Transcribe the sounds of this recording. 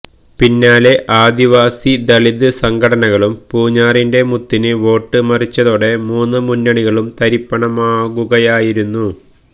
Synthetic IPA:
pinːaːle̞ʔaːd̪iʋaːsid̪ɐɭid̪ɨsɐŋɡʱɐɽɐnɐɣɐɭumpuːɲːaːrinde̞mut̪ːinɨʋo̞ːʈːɨmɐrit͡ɕːɐðo̞ːɽe̞muːnːɨmunːɐɳiɣɐɭumt̪ɐɾipːɐɳɐmaːɣuɣɐjaːjiɾunːu

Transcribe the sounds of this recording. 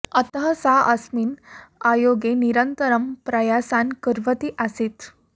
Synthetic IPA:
ət̪ɦəsaʔəsmiːnajoɡeniɾənt̪əɾəmpɾəjasankəɾʋət̪iːʔasiːt̪

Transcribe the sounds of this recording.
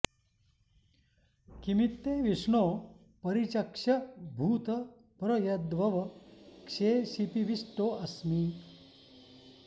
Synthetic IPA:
kimit̪ːeːʋiʂɳoː | pɐɾit͡ɕɐkʂɐbʱuːt̪ɐ | pɾɐjɐd̪ʋɐʋɐkʂeːsipiʋisʈoːʔɐsmiː

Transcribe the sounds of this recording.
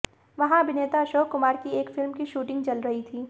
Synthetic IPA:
ʋɐɦãɐbʱɪneːt̪aɐʃoːkkʊmaːɾkieːkfɪlmkiʃuːʈɪ̃ŋɡt͡ʃɐlɾɐɦit̪ʰiː

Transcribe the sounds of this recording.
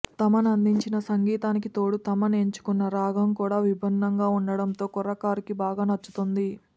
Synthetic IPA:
t̪ɐmɐnɐnd̪iɲt͡ʃinɐsɐŋɡiːt̪aːnikit̪o̞ːɽut̪ɐmɐneɲt͡ʃu̥kunːɐɾaːɡʱɐmkuːɽaːʋibʱɐnːɐŋɡaːuɳɖɐɽɐnt̪o̞ːkɔɾɐkaːɾikibaːɡaːnɐt͡ʃːu̥t̪und̪i

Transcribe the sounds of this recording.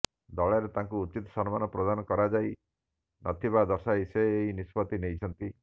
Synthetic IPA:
d̪ɔɭaɾet̪aŋkuːt͡ʃit̪ɔ̥sɔnɔmanɔpɾɔd̪anɔkɔɾad͡ʒaj | nɔt̪ʰibad̪ɔsajseːɦinispɔt̪inejt͡ʃʰɔnt̪i

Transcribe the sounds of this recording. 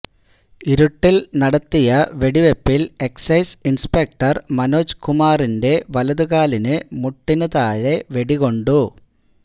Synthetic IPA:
iɾuʈːilnɐɽɐt̪ːijɐʋeɽiʋepːileksɐjsinspek̚ʈɐrmɐnoːd͡ʑkumaːrinde̞ʋɐlɐðuɣaːlinɨmuʈːinɐðaːɻeʋeɽiɣo̞ɳɖu

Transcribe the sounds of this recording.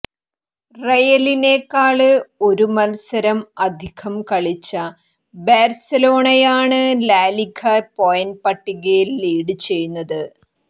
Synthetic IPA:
rejɐlineːkːaːɭɨo̞ɾumɐlsɐɾɐmɐd̪ʱiɣʰɐmkɐɭit͡ɕːɐ | beːrsɐlo̞ːɳɐjaːɳɨlaːlikʰɐpojɐnpɐʈːiɣɐjilːiːɽɨt͡ɕe̞jːunːɐðɨ

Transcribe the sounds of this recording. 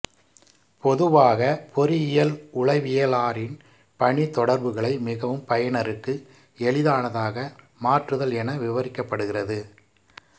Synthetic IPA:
pɔðɯʋaːɣɐpʰɔɾɯɪjɐlʊɭɐɪʋɪjɐlaːɾɪn | pɐɳit̪ːɔɽɐɾbɯɣɐɭɐɪmɪɣɐʋɯmpɐjɐɳɐɾɯkːɯ | ɛɭɪðaːnɐðaːɣɐ | maːʈrɯðɐlɛnɐʋɪʋɐɾɪkːɐpːɐɽɯɣɪrɐðɯ

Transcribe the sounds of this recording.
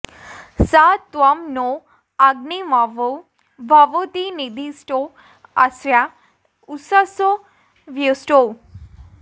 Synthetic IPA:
sat̪ːʋamno | aɡnimaʋo | bʱaʋot̪inid̪ʱisʈo | asʋja | usaso | ʋjusʈo

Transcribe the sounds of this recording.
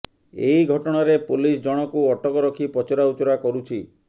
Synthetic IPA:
eiɡʱɔʈɔɽ̃ɔɾepulisd͡ʒɔɽ̃ɔkuɔʈɔkɔɾɔkʰipɔt͡ʃɔɾaut͡ʃɔɾakɔɾut͡ʃʰi

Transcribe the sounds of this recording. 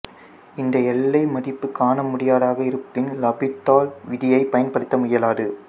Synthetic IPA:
ɪnd̪ɐɛlːɐɪmɐɽɪpːɯkːaːnɐmʊɽɪjaːɽaːɣɐɪɾɯpːɪnlɐbɪt̪ːaːlʋɪðɪjɐɪpɐjɐnpɐɽɯt̪ːɐmʊjɐlaːðɯ

